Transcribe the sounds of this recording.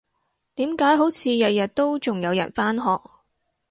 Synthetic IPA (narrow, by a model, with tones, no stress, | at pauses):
t̪iː˨˥mkaː˨˥jɦo˨˥wt͡sʰiː˨˧jɐ˨t̚jɐ˨t̚t̪o˥wt͡sʊ˨ŋjɐ˨˧wjɐ̰˨˩nfaː˥nɦɔː˨k̚